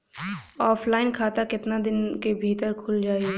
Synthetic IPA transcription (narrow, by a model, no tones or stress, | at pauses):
ɔːpʰlaːɪnkʰaːt̪akɪt̪nad̪ɪnkebʱiːt̪əɾkʰʊld͡ʒaːiɛ